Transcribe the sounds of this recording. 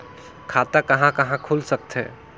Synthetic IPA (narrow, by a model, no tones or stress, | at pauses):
kʰat̪akəɦãkəɦãkʰulsək̚t̪ɛ̰